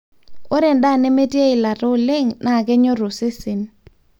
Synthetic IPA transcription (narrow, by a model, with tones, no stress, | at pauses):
o˦ɾɛ˨nda˦˨ne˦me˦ti˦e˦ɪ˨la˨ɾo˦le˦ŋnʔa˦˨kɛ˦ɲo˦ɾo˨se˦sɪ˨n